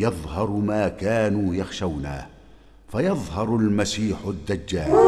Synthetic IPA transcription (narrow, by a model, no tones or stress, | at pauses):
jɑðˤhɑɾˤmaːkaːnuːjɑxʃawna̰ː | fajɑðˤhɑɾˤʊlmasiːħʊd̪ːad͡ʒːaːl